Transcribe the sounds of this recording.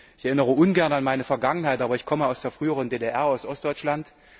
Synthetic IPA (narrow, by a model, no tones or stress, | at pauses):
ɪçɛɐʔɪnəʁ̞əʔʊnɡɛɐnanmaɪnəfɛɐɡaŋənɦaɪtʔaːbɐɪçkʰɔməaʊsd̥eːɐfʁ̥yːəʁəndeːdeʔɛɐaʊsʔɔstd̥ɔʏt͡ʃlant